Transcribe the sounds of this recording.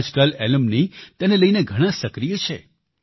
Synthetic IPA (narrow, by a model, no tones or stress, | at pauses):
d͡ʒkəlɛləmnit̪eneləineɡʱəɽ̃ãsəkɾijət͡ʃʰe